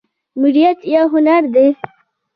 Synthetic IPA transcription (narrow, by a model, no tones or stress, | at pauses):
mɪɽijat̪jɑɦʊnaɾd̪e